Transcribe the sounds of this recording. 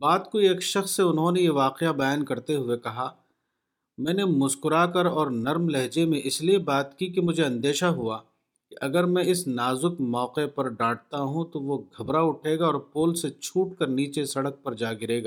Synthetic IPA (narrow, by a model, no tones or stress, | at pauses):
baːt̪koeːkʃɐxsːeʊnɦõnejeʋaːqeabɐjaːnkɐɾt̪eɦʊekɐɦa | mɛ̃ːnemʊskʊɾakɐɾɔːɾnɐɾmlɛɦd͡ʒemẽʔɪsliebaːt̪kikimʊd͡ʒʱeɐ̃nd̪eːʃaɦʊaː | kiʔɐɡəɾmɛ̃ɪsnaːzʊkmɔːqepɐɾɖaːʈ̚t̪aɦũt̪oʋoɡʱɐbɾaʊʈʰeːɡaɔːɾpoːlset͡ʃʰuːʈ̚kɐɾniːt͡ʃesɐɽək̚pɐɾd͡ʒaːɡɪɾeːɡaː